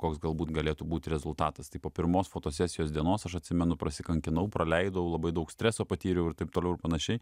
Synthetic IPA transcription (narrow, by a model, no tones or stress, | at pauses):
koːksɡɐlˠbuːt̪ɡɐlʲeːt̪uːbuːt̪ʲɾʲɛzʊlˠt̪ɑːt̪ɐst̪ɐɪpoːpʲɪɾmoːsfoːt̪oːsʲæːsʲɪjoːsd̪ʲiɛnoːsɐʃɐt̪ʲsʲɪmʲɛnʊpɾɐsʲɪkɐŋʲkʲɪnɐʊpɾɐlʲɛɪd̪ɐʊlˠɐbɐɪd̪ɐʊksʲt̪ʲɾʲæːsoːpɐt̪ʲiːɾʲɛʊɪɾt̪ɐɪpt̪oːlʲɛʊɪɾpɐnɐʃʲɛɪ